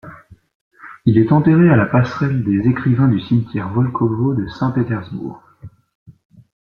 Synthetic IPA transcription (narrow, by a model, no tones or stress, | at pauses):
ilɛt̪ɑ̃t̪eʁealapasχɛld̪ezekχivɛ̃d̪ysimt̪ʲjɛʁvɔlkʰɔvod̪əsɛ̃pet̪ɛʁzbṵːʁ